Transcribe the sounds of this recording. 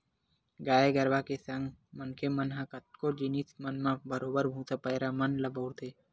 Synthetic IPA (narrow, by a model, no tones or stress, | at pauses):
ɡaːeɡəɾʋakesɐ̃ŋɡmənkʰemənɦãkət̪̚kod͡ʒinismənmãbəɾoːbəɾbʱũːt̪apəjɾamɐnlɐbʱoːɾt̪eː